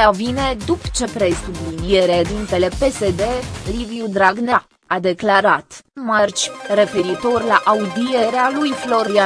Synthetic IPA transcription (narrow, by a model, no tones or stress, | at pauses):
avine̞d̪upt͡ʃe̞pɾe̞sublinije̞ɾed̪int̪e̞le̞pe̞se̞d̪e̞livjud̪ɾaɡna | ad̪e̞klaɾat̪mart͡ʃʲre̞fe̞ɾit̪o̞rʲlaʔaud̪ije̞ɾealujflo̞ɾia